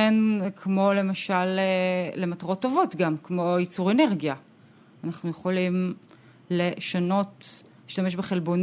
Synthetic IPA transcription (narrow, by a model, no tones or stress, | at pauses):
enkʰmo̞le̞maʃaleːemataʁo̞tːo̞vo̞tɡamkmo̞jit͡suʁeneʁɡija | anaχnujeχo̞lim | le̞ʃano̞t | iʃtameʃbeχe̞lbo̞n